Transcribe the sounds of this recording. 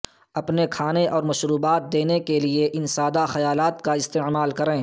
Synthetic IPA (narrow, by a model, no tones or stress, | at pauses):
ɐpnekʰaːneʔɔːɾmɐʃɾuːbaːt̪̚d̪eːnekelieʔɪnsaːd̪axɐjaːlaːt̪kaɪst̪eːmaːlkɐɾẽː